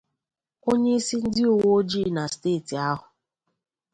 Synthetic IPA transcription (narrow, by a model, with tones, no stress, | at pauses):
o˦ɲe˦i˦si˦n̩˦dɪ˦o˨wo˦o˦d͡ʒi˦˨na˨steː˦˨ti˨a˦ɦʊ˨